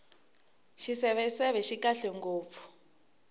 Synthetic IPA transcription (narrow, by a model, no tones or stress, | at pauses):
ʃisɛβɛsɛβɛʃikaɬɛŋɡoːp̪fu̥